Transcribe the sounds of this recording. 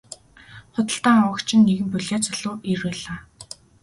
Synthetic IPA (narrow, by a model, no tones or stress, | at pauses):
χʊt̪ə̆ɬt̪aːŋɔwə̆kt͡ɕʰɪ̆nːeɣɘ̆mpɵɮʲaːt͡sɔɮʊːiruːɮaː